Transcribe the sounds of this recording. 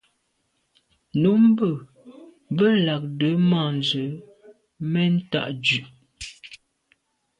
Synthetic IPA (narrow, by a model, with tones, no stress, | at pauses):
nu˨˦m˦bə˨ | bə˦la˨k̚də˨˦ma˦˨n˨zə˨ | mɛ˦n̩˦ta̰˦ʔd͡ʒʉ˨ʔ